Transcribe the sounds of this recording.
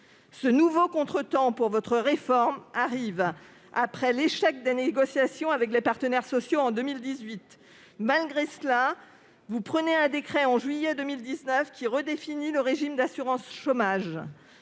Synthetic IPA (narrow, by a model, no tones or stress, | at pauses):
sənuvokɔ̃t̪χət̪ɑ̃puʁvɔt̪χəʁefɔʁmaʁiv | apχɛleʃɛk̚d̪eneɡɔsjasjɔ̃avɛklepaʁt̪ənɛʁsɔsjoɑ̃d̪əmild̪izɥit̪ | malɡʁesla | vupχəneɛ̃d̪ekχɛɑ̃ʒɥijɛd̪əmild̪iznœfkʲiʁəd̪efiniləʁeʒimd̪asyʁɑ̃sʃomaʒ